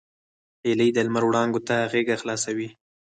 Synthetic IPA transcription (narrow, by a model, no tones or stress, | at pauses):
eləjd̪əlmaɾwɽɑŋɡot̪aɣeɡaxlɑsawi